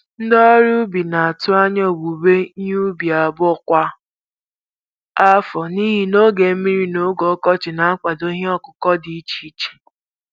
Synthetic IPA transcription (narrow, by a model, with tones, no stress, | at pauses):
n̩˦dɔ˦ɾu˦bi˨na˨a˨tʊ˦a˦ɲɔ˦˨bu˨be˦u˦bi˨a˨bʊ˦ɔ˨kʷa˦ | a˦fɔ˨ni˦ɦi˨no˦ɡe˨˦mi˦ɾi˦no˦ɡɔ˨˦kɔ˦t͡ʃɪ˨na˨a˦k͡pa˨do˦ɦe˦ɔ˦kʊ˨kɔ˦di˨i˦t͡ʃi˨˦t͡ʃi̥˨